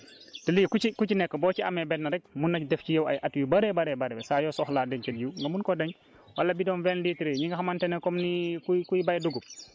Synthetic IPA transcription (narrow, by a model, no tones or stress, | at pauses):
təliːkuikucinɛkːəbɔːcia̰mɛbɛtnɐɾɛk̚munːɐdɛfcijɐwa̰jʔatwibaɾɛbaɾɛbaɾɛbɛsajɔsɔxladɛɲkɐljuŋɡɐmunkɔdɐɲ | walːabidɔnvɛnliːtɾeɲiŋɡaxamantɛnekɔmnikukujbajduɡup̚